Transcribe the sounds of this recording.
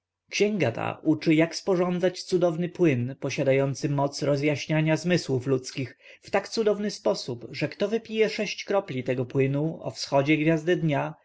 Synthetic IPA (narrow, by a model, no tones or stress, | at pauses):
kɕɛŋɡat̪ʰa̰ʔut͡ʂɘjakspɔʐɔnd̪zat͡ɕt̪sud̪ɔvnɘpwɘnpɔɕad̪ajɔnt̪sɘmɔt̪sɾɔzjaɕɲaɲazmɘswuflut̪skʲix | ft̪akt̪sud̪ɔvnɘspɔsupʐɛkt̪ɔvɘpʲijɛʂɛɕt͡ɕkɾɔplʲit̪ɛɡɔpwɘnuɔ̰fsxɔd͡ʑɛɡvʲjazd̪ɛd̪ɲa